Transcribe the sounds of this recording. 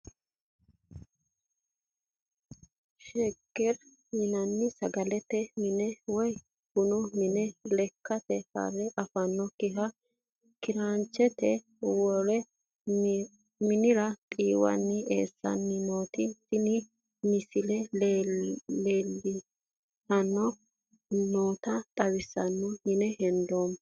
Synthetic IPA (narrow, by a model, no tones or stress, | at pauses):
ʃɛɡɛɾ | jɪnɐnːɪsɐɡɐlɛt̪ɛmɪnɛwɔj | hʊnʊmɪnɛlɛkːɐt̪ɛhɐ̰ɾɛʔɐfɐnːɔkɪɦɐ | kɪɾaːnt͡ʃːɛt̪ɛ | wɔɾɛ | mɪnɪɾɐt̪ʼiːwɐ̰nːɪʔeːsːɐ̰nːɪnoːt̪ɪsɪnɪ | mɪsɪlɛ | eːlːɪ | sɐnːɔ | noːt̪ɐt̪ʼɐwɪsːɐnːɔmɪnɛhɛnd̪oːm